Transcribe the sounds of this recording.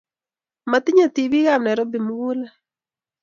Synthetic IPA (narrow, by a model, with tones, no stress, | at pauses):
ma˨t̪ɪ˦ɲa˨t̪i˨bi˦ɣa˦˨mnɛ˨ɾɔ˦bi˨mu˦ɡu˦la˦